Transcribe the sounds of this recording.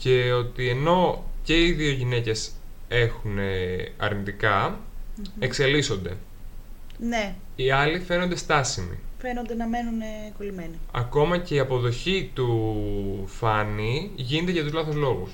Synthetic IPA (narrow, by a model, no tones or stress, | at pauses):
ce̞o̞t̪ie̞no̞ce̞iðio̞ʝine̞ce̞se̞xuneɐ̰ɾnit̪ikɐ | ekse̞liso̞nd̪e̞̰ | ne | iɐlife̞nond̪e̞st̪ɐsimḭfenond̪enɐme̞nunekolimeniɐ̰ko̞mɐce̞iɐpo̞ðo̞çit̪u | fɐniʝine̞t̪eʝɐt̪uzlɐθozlo̞ɣus